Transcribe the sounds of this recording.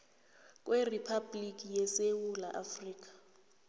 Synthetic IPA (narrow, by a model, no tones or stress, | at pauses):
kʼwʔeripʰablik̬ʼijɛsewulaʔafriːk̬ʼḁ